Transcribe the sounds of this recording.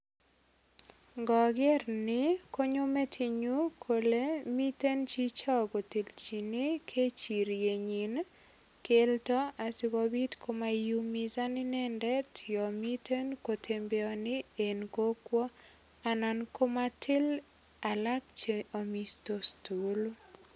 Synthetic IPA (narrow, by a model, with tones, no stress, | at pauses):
ŋɡɔ˨ɡɪ˦ɾnɪ˦ko˦ɲo˦me˦tʰi˨ɲu˦kʰo˨le˦mi˦te˦nt͡ʃi˦t͡ʃa˦ɡo˨ti˨lt͡ʃi˨nɪ˦kʰe˦t͡ʃi˨ɾje˨ɲi˨n | ke˦ltɔ˦a˨sɪ˦kɔ˨bi˦tkʰo˦ma˨ju˦mi˨za˦nɪ˦nɛ˦ndɛ˦tʰɪ˨jɔ˨mi˦tʰe˦nko˨tʰe˨mbeɔ˨nɪ˦e˨nko˦kwɔ˦ | a˨na˨nko˦ma˦tʰɪ˦l | a˨la˦kt͡ʃe˨o˨mi˨sto˨stu˨l